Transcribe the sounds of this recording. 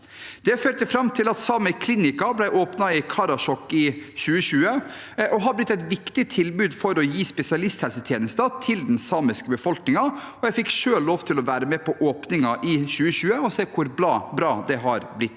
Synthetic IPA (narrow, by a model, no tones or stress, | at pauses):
d̪̥ɛføːɾʈ̪əfɾɑmːt̪ʰɪlɑt̪sɑːməkʰliːnɪkɑblæɪʔoːpnɑɪkʰɑɾɑʂɔkːɪɕʉːəɕʉːə | ʔɔɦɑɾblɪt̪ːɛɪt̪ʋɪkt̪ɪt̪ʰɪlbʉːd̪fɔɾɔjiːspɛsɪɑlɪst̪hɛlsət̪ʰjeːnəst̪ət̪ʰɪld̪nsɑːmɪskəbəfɔlknɪŋɑ | ɔjæɪfɪkːʂøːlloːʋt̪ʰɪlɔʋæːɾəmɛpʰɔʔoːpnɪŋɑʔɪɕʉːəɕʉːəɔseːkʰʊɾblɑːbɾɑːd̪ɛɦɑɾblɪt̪ː